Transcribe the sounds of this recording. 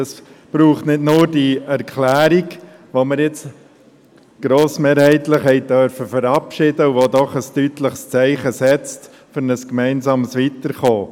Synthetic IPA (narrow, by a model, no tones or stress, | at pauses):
ɑs | b̥ɾuːχtnɪdnʊːɾdiɛɾkʰlæːɾiɡ | ʋoməɾjɪt͡s | ɡ̥ɾoːsmeːɾhɛɪtləχhɛɪdœɾfəfəɾɑpʃɪdəuʋod̪ɔχəstytləχst͡sɛɪχəsɛt͡st | fʏɾnəskmæɪnsɑːməsʋit̪əɾχoː